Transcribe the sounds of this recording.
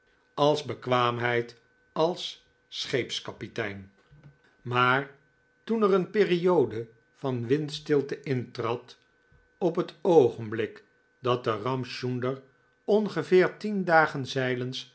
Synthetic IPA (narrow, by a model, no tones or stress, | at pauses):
ɑlˠzbəkʋaːmɦɛjt | ɑlˠsː | χejpskɑpitɛjn | maːɹ | tunərənpɪːriowdə | v̥ɑnʋɪntstɪlˠtəʔɪntrɑt | ɔpɦətowχənblɪk | dɑt̚dərɑmʃundəɹ | ɔnχəvɪːɹtindaːχənzɛjləns